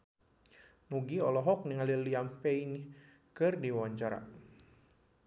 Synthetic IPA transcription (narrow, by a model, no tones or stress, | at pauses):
nuɡiɔlɔɦɔk̚niŋaliliampɛini | kɨrdiwɔɲt͡ʃaɾa̰